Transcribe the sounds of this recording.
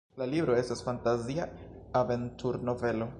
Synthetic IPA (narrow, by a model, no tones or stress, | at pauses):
lalibɾo̞e̞stasfantaziaave̞ntʰuɾno̞ve̞lo̞